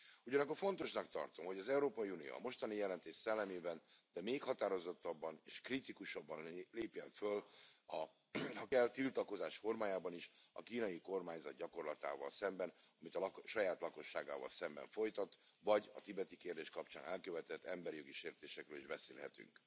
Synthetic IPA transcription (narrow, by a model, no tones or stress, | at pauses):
uɟɒnɒkːo̞rfo̞nt̪o̞ʃnɒkt̪ɒ̰rt̪o̞mɦo̞ɟɒzɛuɾoːpɒjiunijo̰ɒ̰mo̞ʃt̪ɒnijɛlɛnt̪eːʃsɛlːɛmeːbɛnd̪̥ɛmeːkhɒt̪aːɾo̞zo̞t̪ːɒbːɒnḛːʃkrit̪ikuʃɒbːɒnleːpjɛɱfølɒ | hɒkɛlt̪ilt̪ɒko̞zaːʃfo̞rmaːjaːbɒniʃɒ̰kiːnɒjiko̞rmaːɲzɒd̪̚ɟɒko̞rlɒt̪a̰ːvɒ̰lsɛmbɛn | ɒmit̪ɒlʃɒjaːt̪lɒko̞ʃːa̰ːɡa̰ːvɒ̰lsɛmbɛ̰ɱfo̞jt̪ɒt̪ | vɒɟɒ̰t̪ibɛt̪ikeːrd̪eːʃkɒpt͡ʃa̰ːnʔɛlkøvɛt̪ɛt̪ːɛmbɛɾijo̞ɡiʃeːrt̪eːʃɛkrɾøːlḭʒbɛseːlɦɛ̰t̪y̰ŋk